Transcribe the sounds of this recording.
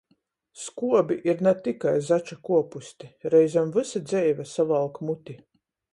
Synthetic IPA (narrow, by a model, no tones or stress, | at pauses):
skuɔbiʔiɾnat̪ikajzat͡ʃakuɔpusʲt̪ʲiɾɛjzamvɨsad̪zɛjvasavalˠkmut̪ʲi